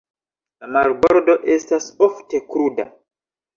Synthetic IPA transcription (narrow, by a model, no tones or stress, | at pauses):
lamalboɾdo̞ʔestasoftekɾuda̰